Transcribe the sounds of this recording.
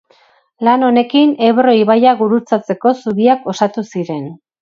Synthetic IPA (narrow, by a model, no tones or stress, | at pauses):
lano̞ne̞kine̞βɾo̞iβajaɣuɾut͡sat͡se̞ko̞suɣiako̞sat̪usiɾe̞n